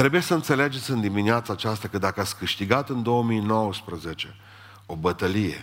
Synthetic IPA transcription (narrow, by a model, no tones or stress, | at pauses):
t̪ɾe̞bujesəɨnt̪se̞led͡ʒe̞t̪sʲɨnd̪imineat̪saːt͡ʃast̪akəd̪akəat̪sʲkɨʃt̪iɡat̪ɨnd̪o̞oəmijno̞wəspɾəzet͡ʃe̞ | o̞bət̪əlijḛ